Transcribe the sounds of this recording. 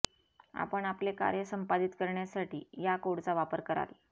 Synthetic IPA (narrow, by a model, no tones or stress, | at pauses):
a̰pəɳapleka̰ɾjəsəmpad̪it̪kəɾɳjasaʈiːjakoɽt͡saʋapəɾkəɾa̰l